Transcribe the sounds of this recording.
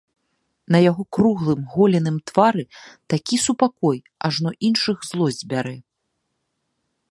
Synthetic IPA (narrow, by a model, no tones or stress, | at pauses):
nɐjaɣɔkruɣlˠɨmɣɔlʲɛnɨmt̪vaɾɨt̪akʲisupakɔj | aʐnɔʔinʂɨɣzlˠɔzʲbʲaɾɛ